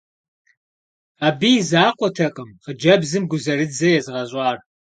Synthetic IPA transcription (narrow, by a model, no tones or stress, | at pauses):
aːbijzaːqʷʼɔtʰɐqʼəmqəd͡ʒɐbzɨmɡʷʊzɐrɨd͡zɐjɛzɨʁɐɕʼɑːr